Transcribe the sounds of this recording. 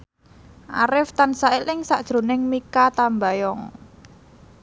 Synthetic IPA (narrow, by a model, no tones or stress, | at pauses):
ʔa̰ɾɪft̪ansaɪlɪŋsaʔd̥ʒ̥ɾo̤nɪŋmikat̪ambajɔŋ